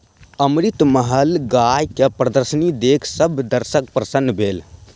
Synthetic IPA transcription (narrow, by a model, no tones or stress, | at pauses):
əmɾit̪məɦəlɡajkepɾəd̪əɾsənid̪ekʰsəbʱd̪əɾsək̚pɾəsənːbʱel